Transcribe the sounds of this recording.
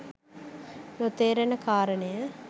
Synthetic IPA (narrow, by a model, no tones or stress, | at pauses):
not̪eːɾənəkʰaːɾənəjə